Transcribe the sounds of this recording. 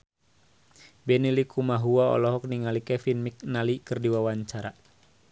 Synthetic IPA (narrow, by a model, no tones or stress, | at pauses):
bɛnilikʰumaɦuaɔ̰lɔɦɔk̚niŋalikɛfinmik̚nalikɨrdiwawaɲt͡ʃaɾa